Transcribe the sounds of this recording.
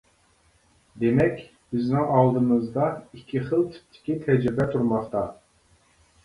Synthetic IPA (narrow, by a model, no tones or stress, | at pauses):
d̪emɛkʲ | b̥ɪznɪŋɑlˠd̪ɨmɨzd̪ɑikʲʰːiχəlˠt̪ʰi̥p̚t̪ʰɪ̥kʲit̪ʰɛd͡ʒɾɪbɛt̪ʰuɾmɑχt̪ʰɑ